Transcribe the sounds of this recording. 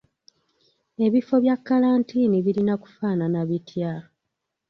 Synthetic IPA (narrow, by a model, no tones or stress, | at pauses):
e̞βifo̞βjakːalaːntiːniβilinaku̥faːnanaβitʰja